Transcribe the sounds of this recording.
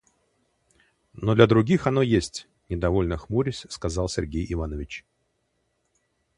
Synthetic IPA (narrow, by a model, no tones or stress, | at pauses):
nod̪lʲəd̪ɾʊɡʲixɐno̞jesʲtʲ | nʲɪd̪ɐvo̞lʲnəxmuɾʲɪsʲskɐzɑlˠsʲɪrɡʲejɪvanəvʲɪt͡ɕ